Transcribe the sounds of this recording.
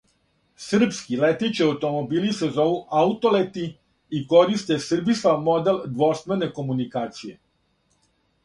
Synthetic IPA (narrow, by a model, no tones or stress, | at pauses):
sr̩pskilet̪it͡ɕeaut̪o̞mobiːlisezo̞ʋuʔaut̪o̞let̪i | iko̞ɾist̪esr̩bisamo̞d̪eld̪ʋo̞st̪mene̞ko̞munikaːt̪sije